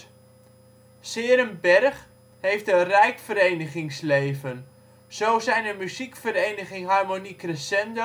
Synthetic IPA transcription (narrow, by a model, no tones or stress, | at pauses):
sɪːəɾəmbɛrχ | hejftənrɛjkfəɾejnəχɪŋslejvən | z̥owzɛjnəmyzikfərejnəχɪŋɦarmonikrəsɛndo